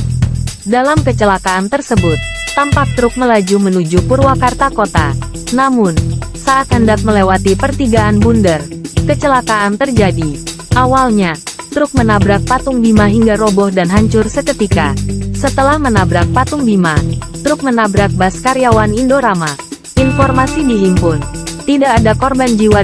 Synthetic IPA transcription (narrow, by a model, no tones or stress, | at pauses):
dalamkət͡ʃəlakaant̪ərsəbʊt̪̚ːampak̚t̪ɾʊk̚məlad͡ʒumənud͡ʒupurwakart̪akot̪a | namʊnsaʔat̪̚həndak̚məlewat̪ipərt̪iɡaanbundərkət͡ʃəlakaant̪ərd͡ʒadi | ʔawalɲat̪ɾʊk̚mənabɾak̚pat̪ʊŋbimaɦiŋɡaɾobɔhdanɦaɲt͡ʃʊrsəkət̪ikasət̪əlahmənabɾak̚pat̪ʊŋbimat̪ɾʊk̚mənabɾak̚baskaɾijawanindoɾama | ʔinfɔrmasidiɦimpʊnt̪idakadakɔrband͡ʒiwa